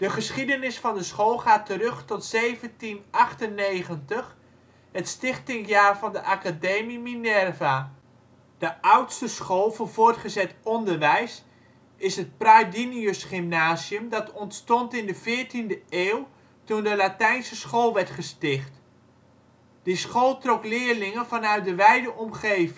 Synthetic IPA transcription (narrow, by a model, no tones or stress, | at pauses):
d̥əχəsχidənɪsfɑndəsχolˠχaːtəɾɵχtɔtsejvəntinʔɑχtənːejχəntəχ | ɦətstɪχtɪŋjaːrvɑndəʔakadejmiminɛrva | d̥əʔʌwtstəsχolˠvɔvʊːɹtχəzɛtɔndərʋɛjs | ɪsɦət̚pradiniøsχɪmnaːziəmdɑtɔntstɔntɪndəvɪːɹtindəeːlˠ | tundəlatɛjnsəsχolˠʋɛrtχəstɪχt | d̥isχolˠtrɔklɪːərlɪŋənvɑnœɥt̚dəʋɛjdəʔɔmχeːv